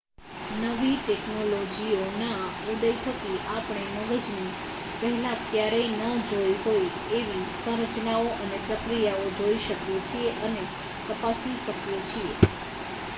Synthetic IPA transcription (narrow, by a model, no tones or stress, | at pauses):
nəʋiʈeknolod͡ʒionaud̪əjt̪ʰəkiʔapɳ̃eməɡəd͡ʒni | pəɦɛlãk̪jaɾejnəd͡ʒojɦoj | eʋisə̃ɾət͡ʃnaoʔənepɾəkɾijaod͡ʒoiʃəkjet͡ʃʰieʔəne | t̪əpasiʃəkjet͡ʃʰie